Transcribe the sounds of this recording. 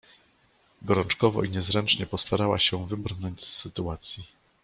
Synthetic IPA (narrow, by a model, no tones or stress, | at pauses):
ɡɔɾɔnt͡ʂkɔvɔ̰iɲɛzɾɛnt͡ʂɲɛpɔst̪aɾawaɕɛvɘbɾnɔɲd͡ʑsːɘt̪uat̪sʲji